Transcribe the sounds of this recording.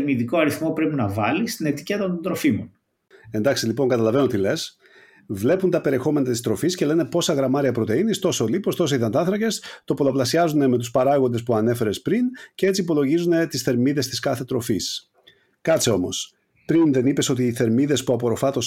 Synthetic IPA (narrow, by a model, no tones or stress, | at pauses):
ɾmiðiko̞ɐɾiθmopɾepinɐvɐlist̪ine̞t̪i̥cet̪ɐnt̪ond̪ɾo̞fimonn | e̞nd̪ɐksilipo̞ŋkɐt̪ɐlɐve̞not̪ile̞s | vle̞punt̪ɐpe̞ɾiexo̞me̞nɐt̪ist̪ɾo̞fisce̞le̞ne̞po̞sɐɣɾɐmɐɾiɐpɾo̞t̪e̞inist̪o̞solipo̞st̪o̞s̬eiðɐnt̪ɐθɾɐce̞st̪o̞po̞loplɐsiɐzuneme̞t̪̬uspɐɾɐɣo̞nd̪espuɐne̞fe̞ɾe̞spɾincee̞t͡siːpo̞lo̞ʝizune̞t̪isθe̞ɾmiðe̞st̪iskɐθe̞t̪ɾo̞fis | kɐt͡seo̞mo̞̰s | pɾinðe̞nipe̞so̞t̪iːθe̞ɾmiðespuɐpo̞ɾo̞fɐt̪o̞s